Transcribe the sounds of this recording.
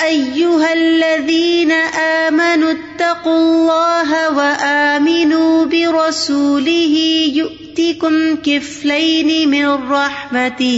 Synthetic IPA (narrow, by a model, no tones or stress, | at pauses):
ʔajːʊɦalːaðiːnaʔaːmanʊt̪ːɑqʊlːɑːɦawaʔaːmɪnuːbɪɾˤɑsuːlɪɦɪjʊʔt̪ɪkʊmkɪflajnɪmɪnˤːɑħmat̪ɪ